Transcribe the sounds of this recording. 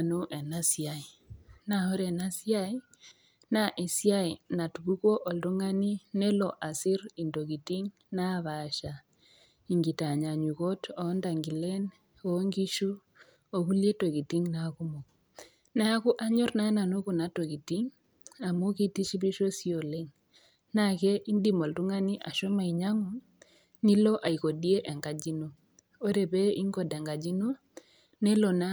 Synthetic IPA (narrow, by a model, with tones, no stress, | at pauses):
no˦ʔɛ˨na˦sja˨i˨na˨o˦ɾɛ˨na˦sja˦i˦ | na˦ʔe˨sja˦i˨na˨tu˨βu˦kwo˦ʔo˨ldo˦ŋa˦ni˦ne˦lɔ˨ʔa˨si˦ɾi˨ndo˨ɣi˨ti˦ŋ | na˦βa˨ʃa˨ | i˨ŋɡi˨ta˨ɲa˨ɲu˨ɣo˦tɔ˨˦nda˨ŋɡi˨lɛ˦n | o˦ŋɡi˦ʃu˦ | o˨ku˦lje˦to˨ki˨ti˦ŋnaku˦mo˨k | na˦a˦kʊ˦ʔa˦ɲo˦rna˦na˨nu˦ku˨na˦to˨ki˨ti˦ŋ | a˨mu˦ki˦ti˦ʃi˦bi˦ʃo˦si˦o˨le˦ŋ | na˨kɛ˦ʔi˦ndi˨mo˨ltu˦ŋa˦ni˦ʔa̰˨ʃɔ˦ma˨i˨ɲa˦ŋo˦ | ni˦lo˦ʔa˨i˨ko˨di˦e˦ʔɛ˨ŋɡa˨d͡ʒi˦no˦ | o˦ɾe˨be˦i˦ŋɡo˦˨dɛ˨ŋɡa˨d͡ʒi˦no˦ | ne˦lo˨na˦